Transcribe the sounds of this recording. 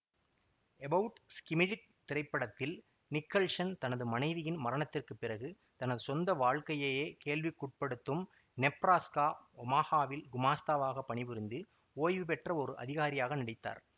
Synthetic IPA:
ɛbɐʊʈskɪmɪɽɪk̚t̪ɪrɐɪpːɐɽɐt̪ːɪl | nɪkːɐɭʂɐnt̪ɐnɐðɯmɐnɐɪʋɪjɪnmɐɾɐɳɐt̪ːɪrkɯpːɪrɐɣɯ | t̪ɐnɐðɯsɔnd̪ɐʋaːɻkɐjɐjeːkeːɭʋɪkːʊʈ̚pɐɽɯt̪ːɯm | nɛpːɾaːskaːɔmaːhaːʋɪlɡʊmaːst̪aːʋaːɣɐpːɐɳɪʋʊɾɪnd̪ɯ | oːjʋɯpɛʈrɐɔɾɯʔɐ̰ðɪɣaːɾɪjaːɣɐnɪɽɪt̪ːa̰ːɾ

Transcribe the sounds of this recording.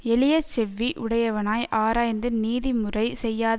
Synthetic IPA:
ɛlɪjɐt͡ʃɛʋːiʔʊɽɐjɐʋɐnaːjʔaːɾaːjnd̪ɯniːðimɯrɐɪsɛjːaːð

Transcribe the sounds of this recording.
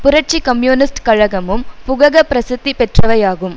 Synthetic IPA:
pʊɾɐʈ̚t͡ʃikɐmjuːnɪsʈkɐɻɐɣɐmɯmpʊɣɐɣɐpɾɐsɪt̪ːipɛʈrɐʋɐjaːɣɯm

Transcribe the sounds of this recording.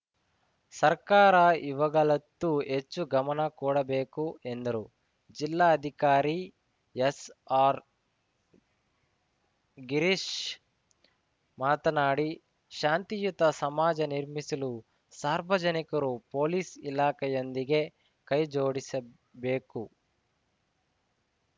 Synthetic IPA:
sɐɾkaːɾɐiʋɐɡɐɭɐt̪ːuet͡ʃːuɡɐmɐnɐkuːɽɐbeːkue̞nd̪ɐɾu | d͡ʒilːaːɐd̪ʱikaːɾi | esaːɾ | ɡiɾiʃ | maːt̪ɐnaːɽi | ʃaːnt̪ijut̪ɐsɐmaːd͡ʒɐniɾmisɐlu | saːɾʋɐd͡ʒɐnikɐɾupo̞ːliːsilaːkʰɛjond̪iɡe̞ | kɐjd͡ʒoːɽisɐ | beːku

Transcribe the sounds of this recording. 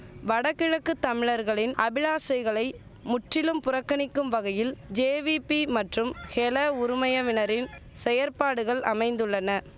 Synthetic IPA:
ʋɐɽɐkːɪɻɐkːɯt̪ːɐmɪɻɐɾɣɐɭɪnɐbɪɻaːsɐɪɣɐɭɐɪ | mʊʈrɪlɯmpʊrɐkːɐɳɪkːɯmʋɐɣɐjɪld͡ʒeːʋipimɐʈrɯmxɛlɐʊɾʊmɐjɐʋɪnɐɾɪnsɛjɐɾpaːɽɯɣɐɭɐmɐɪnd̪ɯɭːɐnɐ

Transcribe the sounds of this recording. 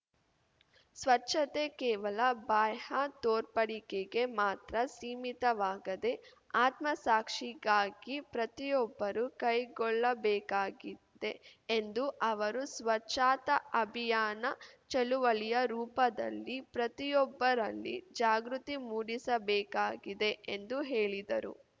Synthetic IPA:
sʋɐtːʃɐt̪e̞kɛːʋɐlɐbaːjhɐt̪oːɾpɐɽikeɡe̞maːt̪ɾɐsiːmit̪ɐʋaːɡɐd̪e̞ | aːt̪mɐsaːkʂiɡaːɡipɾɐt̪ijɔbːɐɾukɐjɡɔɭːɐbɛːkaːɡid̪e̞end̪uʔɐʋɐɾusʋɐt͡ʃːaːt̪ɐɐbʱijaːnɐt͡ʃɐluʋɐɭijɐɾuːpɐd̪ɐ̰lːipɾɐt̪ijɔbːɐɾɐlːḭd͡ʒaːɡɾut̪imuːɽisɐbɛːkaːɡid̪e̞ʔend̪uɦeːɭid̪ɐɾṵ

